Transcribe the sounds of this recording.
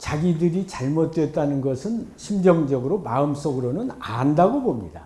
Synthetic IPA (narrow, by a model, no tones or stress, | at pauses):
t͡ɕaɡidɯɾit͡ɕaɭmot̚t͈we̞t̚t͈anɯnɡʌsʰɯnɕʰimd͡ʑʌŋd͡ʑʌɡɯɾomaɯms͈oɡɯɾonɯnandaɡobomɲida̰